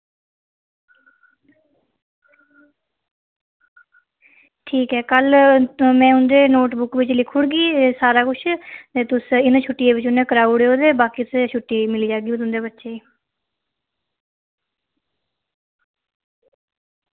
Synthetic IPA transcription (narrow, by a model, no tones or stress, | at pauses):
ʈʰiːkɦɛːkəlmɛ̃ːʊnd̪eːnoːʈbʊkʋɪt͡ʃlɪkʰʊɽɡiːsaːɾaːkʊt͡ʃʰt̪eːt̪ʊsɪnãt͡ʃʰʊʈːiːeːʋɪt͡ʃʊnẽːkəɾaːuɽeːoːd̪eːbaːkiːt̪ʊst͡ʃʰʊʈːiːmɪliːd͡ʒaːɡiːt̪ʊnd̪eːbət̪ːʃeːiː